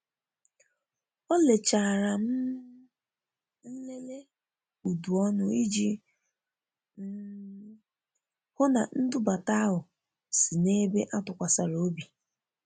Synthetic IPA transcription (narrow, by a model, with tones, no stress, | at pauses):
ɔ˦le˨t͡ʃa˨ɾa˨m̩˦ | n̩˦le˦le˦ | u˨du˨ɔ˦nʊ˦i˦d͡ʒi˦ | hʊ˦na̰˨n̩˦dʊ˦ba˨ta˦ɦʊ˨ | si˨ne˦be˦ʔa˦tʊ˨kʷa˨sa˨ɾo˦bi˨